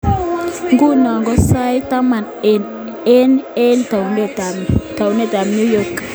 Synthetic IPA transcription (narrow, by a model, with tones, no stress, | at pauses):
ŋɡu˦nɔ˨ŋɡɔ˦sa˦jta˦ma˨n | ɛ˦nɛ˦ntnata˨wne˦˨ta˨mnju˦jɔk